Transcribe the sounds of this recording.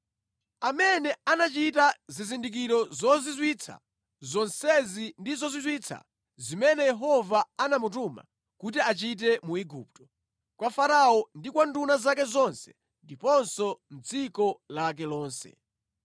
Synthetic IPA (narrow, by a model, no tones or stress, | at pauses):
amɛnɛanat͡ʃitazizindik̬iɾɔzɔzizwit͡sʰa̰ | zɔnsɛzindizɔzizwit͡sʰa̰ | zimɛnɛjɛɦɔvaanamut̬uma̰ | kut̬iat͡ʃit̬ɛmuiɡṵːp̚tɔ̥ | kwafaɾaɔndikwandunazakɛzɔnsɛ̥ | ndipɔnsɔm̩d͡zikɔlak̬ɛlɔːnsɛ̰